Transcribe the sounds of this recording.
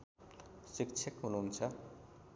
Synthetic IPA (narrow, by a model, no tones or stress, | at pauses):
sikt͡sʰekɦununt͡sʰʌ